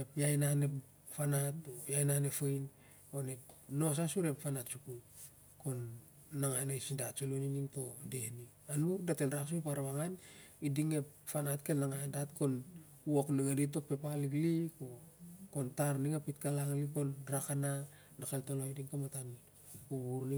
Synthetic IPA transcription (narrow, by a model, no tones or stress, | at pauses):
epjajnanep | fanatojajnanefejn | onepno̞s̬asuɾe̞pfanatsukuj | ko̞nː | aŋaenajsindatsoluniniŋto̞dehni | anudatenɾaks̬ujpaɾaβaŋanidiŋe̞pfanatkelnaŋandatko̞n | uokniŋadit̬o̞pe̞paliɡlikokontaɾniŋapitkalaŋlikonɾakananakeltoloidiŋkomatan | uβuɾni